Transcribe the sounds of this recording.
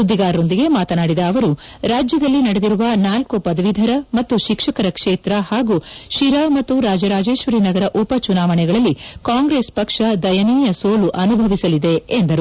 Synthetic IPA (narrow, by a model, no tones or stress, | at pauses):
ud̪ːiɡaːɾːo̞nd̪iɡe̞maːt̪ɐnaːɽid̪ɐːʋɐɾuɾaːd͡ʒjɐd̪ɐlːinɐɽed̪iɾuʋɐnaːlkopɐd̪ɐʋid̪ʱɐɾɐmɐt̪ːuʃikʂɐkɐɾɐkʂeːt̪ɾɐhaːɡuʃiɾamɐt̪ːuɾaːd͡ʒɐɾaːd͡ʒe̞ːʃʋɐɾinɐɡɐɾɐʔupɐt͡ʃunaːʋɐɳɛɡɐɭɐlːikaːŋɡɾeːspɐkʂɐd̪ɐjɐniːjɐsoːluʔɐnubʱɐʋisɐlid̪e̞ːnd̪ɐɾu